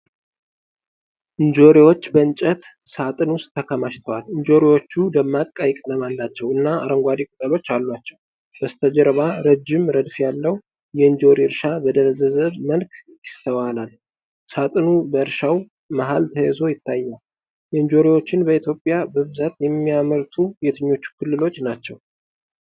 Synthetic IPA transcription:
ʔɨnd͡ʒo̞ɾiwo̞t͡ʃːbəɨnt͡ʃʼət̪ | sat̪ʼɨnwʊst̪ʰːəkʰəmaʃt̪ʰəwalɨnd͡ʒo̞ɾiwo̞t͡ʃːud̪əmːakʼajɪkʼnəmalːat͡ʃːɛwɨnːaaɾəŋɡʷad̪ikʼut̪ʼəlo̞t͡ʃːalːwat͡ʃːɛw | b̥əst̪ʰəd͡ʒəɾβaɾəd͡ʒːɪmɾəd̪fjalːəwu | jɛɨnd͡ʒo̞ɾiɨɾʃabəd̪əɾəzəzəβməlkjɪst̪ʰəwalal | sat̪ʼɨnubəɨɾʃaw | maɦalt̪ʰəjɛzo̞jɪt̪ʰːajːal | jɛɨnd͡ʒo̞ɾiwo̞t͡ʃːɪnbəit̪ʰjo̞pʼːjabəβɨzat̪jɛmːijaməɾt̪ʰujɛt̪ʰɨɲːo̞t͡ʃːu̥kʰɨlːɨlo̞t͡ʃːnat͡ʃːɛw

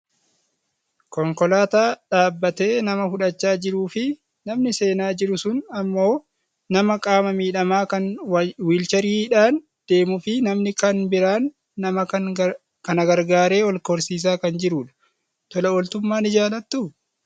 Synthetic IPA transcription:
kɔŋkɔlaːt̪aːᶑaːbːɐt̪e̞ːnɐmɐfʊᶑɐt͡ʃːaːd͡ʒɪɾuːfɪ | nɐmnɪse̞ːnaːd͡ʒɪɾʊsʊnɐmːo̞ː | nɐmɐkʼaːmɐmiːᶑɐmaːkɐnwiːlt͡ʃɐɾiːᶑaːn | d̪̥e̞ːmʊfɪnɐmnɪkɐnbɪɾaːnː | ɐmɐn | kɐnɐɡɐɾɡaːɾe̞ːɔlkɔɾsiːs̬aːkɐnd͡ʒɪɾuːᶑɐ̥ | t̪ɔlɐɔlt̪ʊmːaːnɪd͡ʒaːlɐt̪ːu

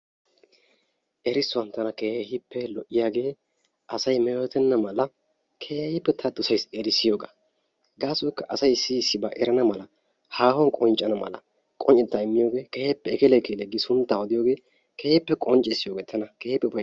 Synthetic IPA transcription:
ʔɛɾɪsʊwɐnt̪ɐnɐkeːɛhɪpːɛlɔʔːɪjaːɡeː | ʔɐsɐjmɛjoːt̪ɛnːɐmɐlɐ | kʰeːhɐhɪpːɛt̪ʰɐd̪ʊsɐjsɛɾɪsɪjo̞ːɡa̰ | ɡaːsɔkːɐʔɐsɐjsɪsːɪbaːʔɛɾɐnɐmɐlɐ | haːhɔnkʼɔnt͡ʃʼːɐnɐmɐ̰lɐ̰ | kʼɔnt͡ʃʼɪt̪ːɐɪmːɪjoːɡe̞ːkɛhɛpːɛɛkɛlɛkelɛɡɪsʊnt̪ːahɔd̪ɪjoːɡeː | kɛhɛpːɛkʼɔnt͡ʃʼɪsːɪjoːɡeːt̪ʰɐnɐkeːhɛpːɛbɐ

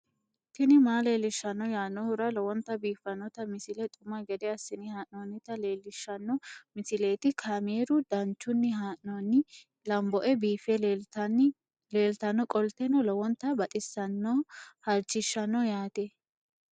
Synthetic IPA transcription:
t̪ɪnɪmaːle̞ːlːɪʃːɐnːɔjaːnːɔhʊɾɐlɔwɔnt̪ːɐbiːfːɐnːɔt̪ɐmɪsɪlɛt̪ʼʊmɐɡɛd̪ɛɐsːɪnɪhaːʔnonːɪt̪ɐleːlːɪʃːɐnːɔmɪsɪle̞ːt̪ɪkʰaːmeːɾʊd̪ɐnt͡ʃːʊnːɪɦaːʔnonːɪ | lɐmbɔʔɛbiːfɛ | leːlt̪ɐnːɔkʼɔlt̪ɛnɔlɔwɔnt̪ːɐbɐt̪ʼɪsːɐnːɔhɐɾt͡ʃːɪʃːɐnːɔjaːt̪ɛ

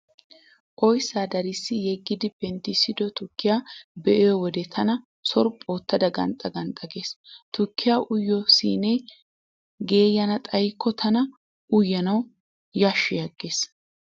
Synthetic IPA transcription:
ʔʼɔjsaːd̪ɐɾɪsːɪjɛɡːɪd̪ɪbɛnt̪ːɪsɪd̪ɔt̪ʊkːɪjaːbɛʔɛjɔwɔd̪ɛt̪ʰɐnɐ | sɔɾpʼo̞ːt̪ːɐd̪ɐɡɐ̰nt̪ʼɐɡɐnt̪ʼːɐɡeːst̪ʊkːɪjaːʔʊjːɔsḭːnɛj | ɡe̞ːjːɐnɐt̪ʼɐjkʰːɔt̪ʰɐnɐ | ʔʊjːɐnɐw | jaʃːɪjɐɡːe̞ːs

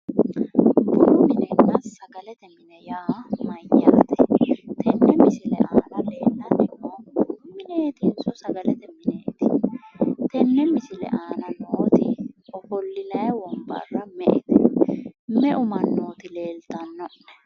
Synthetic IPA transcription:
bʊʊmɪnɛnːɐsɐɡɐlɛt̪ɛmɪnɛjaːmɐjːa̰ːt̪ɛ̥t̪ʰɛnːɛmɪsɪlɛ̰ʔaːnɐleːlːɐnɪmɔmɪneːt̪ɪnsʊsɐɡɐlɛt̪ɛmɪnɛʔɪt̪ɪ | t̪ɛnːɛmɪsɪlɛ̰ʔaːnɐnoːt̪ɪ̰ɔfɔlːɪnɐjwɔmba̰rɐmɛʔɛ̰t̪ɛ | mɛʔʊmɐnːoːt̪ɪle̞ːlt̪ɐnːɔn

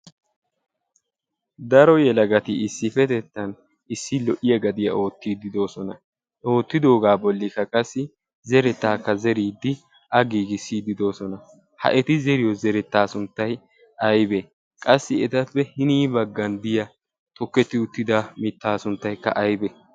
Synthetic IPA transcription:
d̪ɐɾɔjɛlɐɡɐt̪ɪɪsːɪfɛt̪ɛt̪ːɐn | ɪsːɪlɔʔɪjɐɡɐd̪ɪjɐ̰ʔo̞ːt̪ːiːd̪ɪd̪o̞ːsɔnɐ | o̞ːt̪ːɪd̪o̞ːɡaːbɔlːɪkːɐkʼɐsːɪ | zɛɾɛt̪ːaːkːɐzɛɾiːd̪ːɪ | ʔɐɡiːɡɪsiːd̪ɪd̪o̞ːsɔnɐ | hɐ̰ʔɛt̪ɪzɛɾɪjɔzɛɾɛt̪ːaːsʊnt̪ːɐj | ɐjbe | kʼɐsːɪɛt̪ɐpːɛhɪniːbɐɡːɐnd̪ɪjɐ | t̪ɔkːɛt̪ːɪʊt̪ːɪd̪amɪt̪ːaːsʊnt̪ːɐjkːɐ̰ʔɐjbɛ

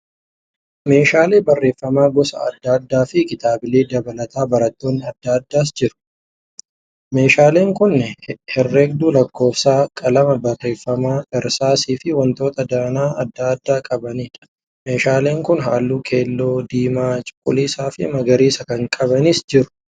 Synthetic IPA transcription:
me̞ːʃaːle̞ːbɐrːe̞ːfːɐmaːɡɔsɐ̰ɐ̰d̪ːaːd̪ːaːfɪkɪt̪aːbɪleːd̪ɐbɐlɐt̪aːbɐɾɐt̪ːo̞ːnːɪɐd̪ːaːd̪ːaːs̬d͡ʒɪɾʊ̥ | me̞ːʃaːle̞ːŋkʊnːɛhɛrːɛɡ̚d̪uːlɐkːo̞ːfsaːkʼɐlɐmɐbɐrːe̞ːfːɐmaːʔɛɾsaːsiːfɪwɐnt̪o̞ːt̪ɐd̪aːnaːɐd̪ːaːd̪ːaːkʼɐbɐniːᶑɐ̥ | me̞ːʃaːle̞ːŋkʊnɦa̰ːlːuːkʰe̞ːlːo̞ːd̪iːmaːt͡ʃʼʊ̥kʼːʊliːsaːfɪ̰mɐɡɐɾiːsɐkɐŋkʼɐβɐnɪsd͡ʒɪɾʊ̥

